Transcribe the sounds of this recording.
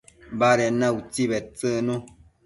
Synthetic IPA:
baɾɛnaut͡sibɛt̚t͡səno

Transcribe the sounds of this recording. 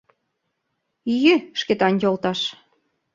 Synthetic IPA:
ijeʃket̪ɑnʲjolt̪ɑʃ

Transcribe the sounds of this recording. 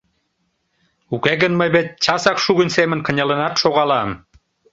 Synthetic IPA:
ukæɣə̆nməjβet̪̚t͡ɕɑsɑkʃuɣənsemə̆nkə̆nʲɑlə̆nɑt̪ʃoɣɑlɑm

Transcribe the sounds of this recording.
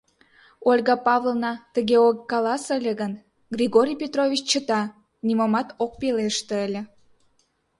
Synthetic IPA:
olʲɡɑpɑvlˠnɑt̪əɣeokːɑlɑsəlʲəɣən | ɡrʲiɣoɾʲijpʲet̪rovʲit͡ɕt͡ɕət̪ɑ | nimomɑt̪ok̚peleʃt̪eəlʲĕ

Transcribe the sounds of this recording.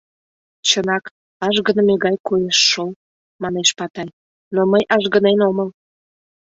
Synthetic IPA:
t͡ɕənɑk | ɑʒɣənəmeɣɑjkojeʃːol | mɑneʃpɑt̪ɑj | noməjʔɑʒɣə̆nenoməl

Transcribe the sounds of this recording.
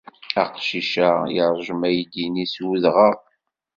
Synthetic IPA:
æqʃiʃæjəɾˤʒəmæjd̪iniswuðʁəʁ

